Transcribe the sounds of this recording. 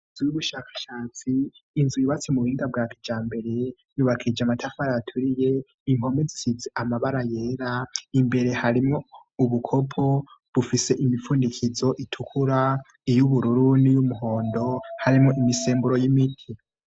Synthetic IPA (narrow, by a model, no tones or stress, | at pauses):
inzujuβuʃaːkḁʃaːt͡siːnzujiβat͡simuhiːŋɡab̚ɡakʰid͡ʒaːmbe̞ɾe̞ | juːβakʰid͡ʒamatʰafaɾajatʰuɾije̞ | iŋ̥o̞mbezisizeʔamaβaɾaje̞ːɾaimbe̞ɾe̞haɾimŋouβukʰo̞pʰo̞βufise̞ʔimifuːndikʰizo̞ʔitʰukʰuɾa | ijuβuɾuɾunijumuɦo̞ːndo̞haɾimŋo̞ʔimise̞ːmbuɾo̞jimitʰi